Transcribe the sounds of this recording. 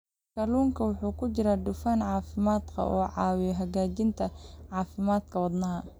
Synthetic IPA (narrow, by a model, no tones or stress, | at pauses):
kɐluːŋkʰɐwʊħuːkʰʊt͡ʃɪɾad̪ʊfaːnʕɑːfɪmaːd̪kʰɐ̰ʔɔːʕɑːwɪjɔɦɐɣaːt͡ʃɪnt̪ʰɐʕɑːfɪmaːd̪kʰɐwɐd̪nɐɦɐ